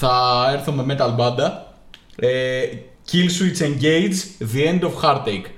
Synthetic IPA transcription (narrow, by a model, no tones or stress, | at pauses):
θɐeɾθome̞me̞t̪ɐlbɐnd̪ɐ | e | cilsuiseɲɟejd͡ʒðie̞nd̪ofxɐɾt̪ejk